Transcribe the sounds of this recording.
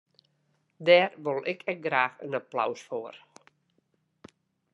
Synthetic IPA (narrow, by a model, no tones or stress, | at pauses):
dɛːrʋolˠʔɪkʰɛk̚ɡraːxə̰napla̰wsfoər